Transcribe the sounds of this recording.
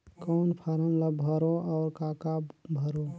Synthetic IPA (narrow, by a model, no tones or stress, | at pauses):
kɔːnpʰəɾəmləbbʱəɾoʔɔːɾkaːkaːbbʱəɾo